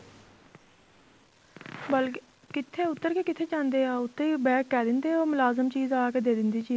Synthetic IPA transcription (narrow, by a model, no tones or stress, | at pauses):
bəl | kɪt̪ʰːeːʊt̪ːəɾkeːkɪt̪ʰeːt͡ʃãːnd̪eːaːʊt̪ːebɛːkːɛːd̪ɪnd̪eːoːmʊlaːzəmt͡ʃiːzaːkeːd̪eːd̪ɪnd̪iːt͡ʃiː